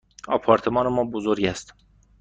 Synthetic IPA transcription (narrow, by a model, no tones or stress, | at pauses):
ɒ̰ːpʰɒːɾt̪ʰemɒːnemɒːbozoɾɟæst̪